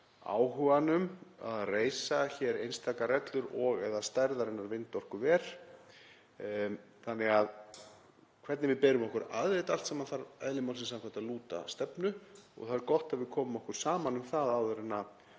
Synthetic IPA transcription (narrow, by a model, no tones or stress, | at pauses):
a̰ːwhʏvanʏma̰ðreːjsaçɛɾejnst̪ʰaːkaɾɛt̪lʏɾɔɣɛðast̪ajɾðaɾɪnːaɾvɪnt̪ɔr̥kʏvɛːɾ̥ | θanːɛɣað | kʰvɛɾt̪nɪvɪðpɛːɾʏmɔhkʏɾa̰ðvejt̪al̥t̪saːmanθaɾɛ̰ðlɪmawlsɪnsamkʰaht̪aðluːt̪a̰st̪ɛpnʏɔ̰ɣθaðɛɾkɔht̪aðvɪðkʰɔːmʏmɔhkʏɾ̥saːmanʏmθaðawðʏɾɪnːa